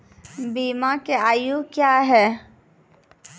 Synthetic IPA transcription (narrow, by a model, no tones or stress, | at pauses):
biːmãkeaːjukjaːɦɛː